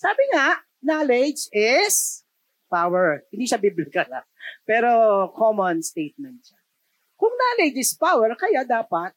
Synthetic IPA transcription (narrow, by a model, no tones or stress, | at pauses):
saːbɪŋaʔ | naːlɛd͡ʒɪs | pawɛɹhɪnd̪iːʃabiblɪkɐla̰pɛːɾo̞kʰomonst̪ejt̪̚mɛnt̪̚ʃa | kʊŋnaːlɛd͡ʒɪspawɛɹkɐjad̪aːpɐt̪̚